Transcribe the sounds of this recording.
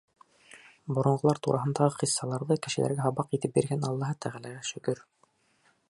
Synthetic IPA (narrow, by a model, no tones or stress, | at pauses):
bŏɾŏɴʁolˠɑɾt̪uɾʔɑɦɤ̆nd̪ɑʁɤqisːɑlˠɑɾðɤkɘ̆ʃɘ̆læ̰ɾɡæɦɑβɑqit̪ɘp̚bḭɾɡænɑlˠːɑɦɤt̪ʰæʁælæɡæʃɵ̆kɵɾ